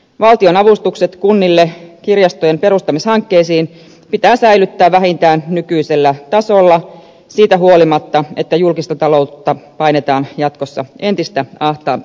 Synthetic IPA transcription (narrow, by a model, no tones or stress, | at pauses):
ʋɑlt̪io̞nɑʋust̪ukset̪kunːilːekirjɑst̪ojempe̞ɾust̪ɑmishɑŋkːeːsiːn | pit̪æːsæilyt̪ːæːʋʋæhint̪æːnnykyiselːæt̪ɑso̞lːɑ | siːt̪æɦuo̞limɑt̪ːɑe̞t̪ːæjulkist̪ɑt̪ɑlo̞ut̪ːɑpɑjnet̪ɑːnjɑt̪kosːɑ̰e̞nt̪ist̪æɑht̪ɑː